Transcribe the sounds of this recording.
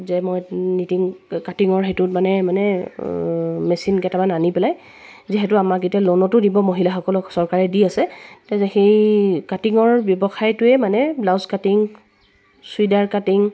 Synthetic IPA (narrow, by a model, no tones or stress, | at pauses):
zɛmɔjnitiŋkatiŋɔɹɦetʊtmanɛmanɛ | mɛsinkɛtamananipɛlaj | ziɦɛtʊamaketalɔnɔtʊdibɔmoɦilaxɔkɔlʊsɔɹkaɹɛdiasɛtɛɛxejkatiŋɔɹbjɔbɔxajtʊɛmanɛblawzkatiŋ | suidaɹkatiŋ